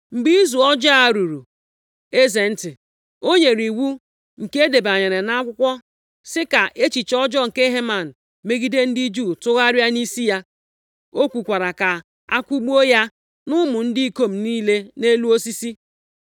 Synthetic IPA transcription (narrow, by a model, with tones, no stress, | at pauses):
ŋ͡m̩˨ɡ͡bi˦i˦zu˨ɔ˦d͡ʒa˦a˨ɾu˨ɾu˨ | e˦ze˨n̩˦tɪ˨ | o˦ɲe˨ɾi˨wu˦ | ŋ̩˨ke˦e˦de˨ba˨ɲe˨ɾe˨na˦kʷʊ˦kʷɔ˦ | sɪ˦ka˨ʔe˦t͡ʃi˨t͡ʃɔ˦d͡ʒɔ˦ŋ̩˨ke˦ɦe˦ma˨n̩˨ | me˦ɡi˦de˦n̩˦di˦d͡ʒu˦˨tʊ˦ɣa˦ɾa˦ni˦si˦ja˦ | o˦kʷu˨kʷa˨ɾa˨ka˨ | a̰˦kʷu˦ɡ͡bu˦o˦ja˦ | nʊ˦mʊ˨n̩˦dɪ˦i˦ko˦m̩˨niː˦le˦ne˦lu˦o˦si˦si˦